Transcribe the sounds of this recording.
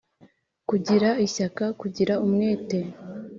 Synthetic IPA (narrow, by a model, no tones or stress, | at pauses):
kuɟiɾaiɕakakuɟiɾaumŋeːte